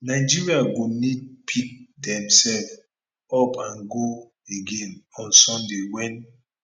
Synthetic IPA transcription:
naɪd͡ʒiɹiaɡonid̚pʰik̚dɛ̃msɛlf | ɔpʰãnɡo | eɡẽnɔ̃nsɔ̃ndewɛ̃n

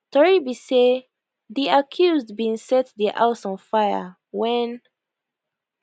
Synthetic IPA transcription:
tɔɹibise | ðiakʰjuzdbiĩŋsɛt̚ðiʔa̰ʊsɔ̃nfajə̰ | wɛ̃n

